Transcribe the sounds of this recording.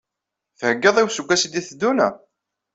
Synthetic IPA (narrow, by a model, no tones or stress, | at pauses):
θəhəɡːəðˤiwsuɡʷːæsid̪iθd̪ːunæ̰